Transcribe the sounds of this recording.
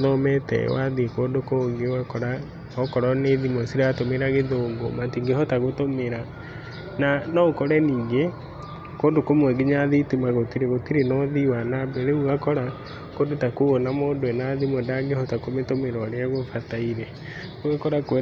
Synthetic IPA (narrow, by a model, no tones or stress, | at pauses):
ðɔmɛtɛ̰waðikoːndokoŋɡeoɣakɔɾa | ɔkɔɾɔneðimɔsiɾatomeɾaɣeðoːŋɡomatiŋɡehɔtaɣotomeɾa | nanɔokɔɾɛniːŋɡe | koːndokomwɛɡeɲaðitimaɣotiɾeɣotiɾenɔðiwanabɛɾeuɣakɔɾa | koːndotakuɣonamoːndoenaðimodaŋɡehɔtakometomeɾɔɾeaɣofataiɾɛ | uɣakɔɾakwɛ